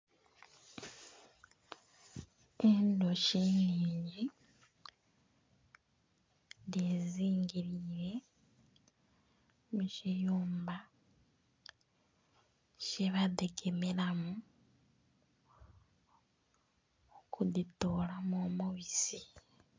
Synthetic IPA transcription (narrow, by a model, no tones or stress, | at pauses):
endoʃiniːɲɟi | ndeziːŋɡiɾiːɾe̞ | muʃijuːmba | ʃeβadeɡemelamu | okuditolamomoβisi